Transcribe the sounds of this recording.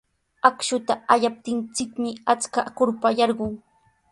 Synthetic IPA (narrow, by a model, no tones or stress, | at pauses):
akʃʊt̪aaʎap̚t̪ɪnt͡sɪkmɪat͡skakʊɾpajɑɾɢʊŋ